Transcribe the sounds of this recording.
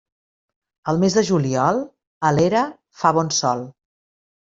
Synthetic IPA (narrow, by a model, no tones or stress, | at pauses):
əlˠmezðəʒuliɔlˠ | əleɾə | faβɔnsɔlˠ